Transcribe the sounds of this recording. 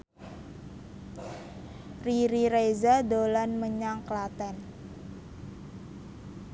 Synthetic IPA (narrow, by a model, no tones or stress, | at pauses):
riɾiɾezadolanməɲaŋklat̪ɛn